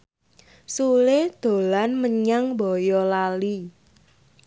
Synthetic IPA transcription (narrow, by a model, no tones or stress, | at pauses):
suled̪̥o̤lanməɲaŋbɔjɔlali